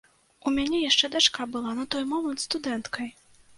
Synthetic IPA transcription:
umʲanʲɛjaʂt͡ʂɛd̪at͡ʂkabɨlˠanɐt̪ɔjmɔmɐnt̪st̪ud̪ɛnt̪kʰɐj

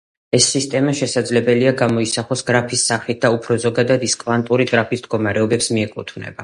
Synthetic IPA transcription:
ɛsːist̪ʼɛmaʃɛsad̪zlɛbɛliaɡamɔisaχɔsɡɾapʰisːaχlit̪̚d̪aupʰɾɔzɔɡad̪ad̪iskʼvant̪ʼuɾiɡɾapʰisd̪ɡɔmaɾɛɔbɛpsmiɛkʼut̪ʰvnɛ̰ba

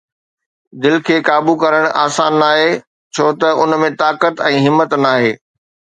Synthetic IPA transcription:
d̪ɪlkʰeːkaːbukɐɾəɽ̃a̰ːsaːnːaːɦeː | t͡ɕʰoːt̪ɐʊnmẽt̪aːkət̪ɛ̃ːɦɪmːət̪naːɦeː

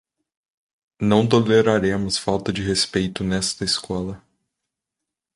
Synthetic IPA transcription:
nɐ̃w̃t̪oleɾaɾẽmʊsfawt̪ɐd͡ʒɪɦespejt̪ʊnɛst̪ɐɪskɔlɐ

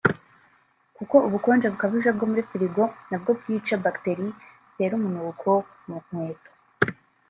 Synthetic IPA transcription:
kuko̞uβuko̞ːnd͡ʒaβukaβiʒab̚ɡo̞muɾifiɾiɡo̞nab̚ɡo̞b̚ɡiːt͡ʃabakte̞ɾizi̥te̞ɾumunukʰo̞ | mum̥weːto

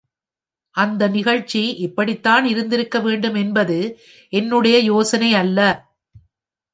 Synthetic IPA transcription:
ʔɐnd̪ɐnɪɣɐɻt͡ʃːiʔɪpːɐɽɪt̪ːaːnɪɾɯnd̪ɪɾɯkːɐʋeːɳɖɯmɛnbɐðɯ | ʔɛnːɯɽɐjɐjoːsɐnɐɪɐlːɐ

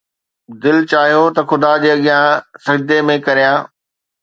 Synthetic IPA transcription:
d̪ɪlt͡ɕaːɦijot̪ɐxʊd̪ad͡ʑeːɐɠijãsɐd͡ʑd̪emẽkɐɾijãː

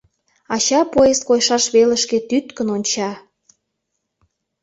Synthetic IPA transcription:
ɑt͡ɕɑpojeskojʃɑʃβelə̆ʃket̪yt̪kənonʲt͡ɕɑ

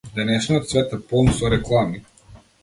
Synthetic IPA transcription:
d̪ɛnɛʃniɔt̪svɛt̪ɛpɔnsɔɾɛklˠami

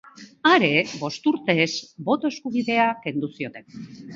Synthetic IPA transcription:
aɾe̞βo̞st̪uɾt̪e̞zbo̞t̪o̞e̞skuβ̞iðe̞ake̞nd̪usio̞t̪e̞n

